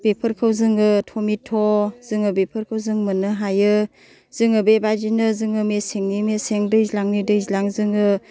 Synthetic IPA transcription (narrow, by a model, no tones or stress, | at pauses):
b̥epʰɯɾkʰɯwzɯŋɯtʰɔmitʰɔz̥ɯŋɯbepʰɯɾkʰɯwzɯŋmɯnɯɦajɯ | z̥ɯŋɯbebad͡ʒinɯzɯŋɯmeseŋnimeseŋdɯjzlaŋnidɯjzilaŋzɯŋɯ